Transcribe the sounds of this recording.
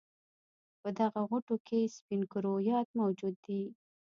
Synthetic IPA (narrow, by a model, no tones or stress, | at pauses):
pəd̪aɣaɣʊʈokespinkʊɾojɑt̪mawd͡ʒud̪ːi